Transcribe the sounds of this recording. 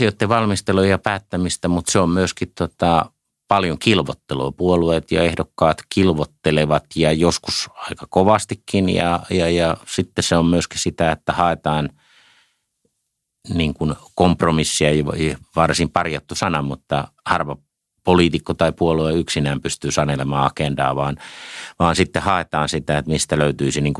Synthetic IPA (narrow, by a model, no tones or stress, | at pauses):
siot̪ːeʋɑlmist̪elujɑpæːt̪ːæmist̪æmut̪seommyøskit̪t̪uot̪ɑ | pɑljoŋkilʋo̰t̪ːelo̰ːpuoluet̪jɑ̰ehdokːɑːt̪kilʋot̪ːeleʋɑt̪jɑjoskusɑikɑkoʋɑst̪ikːinjɑ̰jɑjɑsit̪ːeseommyøskisit̪æet̪ːæhɑˑet̪ɑːn | niːŋkunkompromisːiɑjʋʋɑrsimpɑrjɑt̪ːusɑnɑmut̪ːɑhɑrʋɑ | poliːt̪ikːot̪ɑipuolueyksinæːmpyst̪yːsɑnelemɑːɑkendɑ̰ːʋɑːnʋɑːnsit̪ːehɑet̪ɑːnsit̪æet̪mist̪æløyt̪yisiniːŋku